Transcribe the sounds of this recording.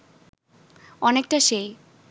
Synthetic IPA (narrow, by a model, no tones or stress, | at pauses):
ɔnek̚ʈaʃej